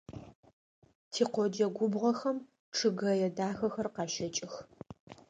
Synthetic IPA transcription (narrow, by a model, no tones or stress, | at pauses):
tʰiːqʷɔd͡ʒɐɡʷʊbʁɔxɐm | ʈ͡ʂʰɨɡɐjɛdaːxɐxɐrqɑːʃɐt͡ʃʼɪx